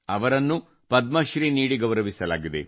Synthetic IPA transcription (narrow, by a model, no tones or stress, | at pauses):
ɐʋɐɾɐnːu | pɐd̪̚mɐʃɾiniːɽiɡɐʋɾɐʋisɐla̰ːɡid̪e̞̰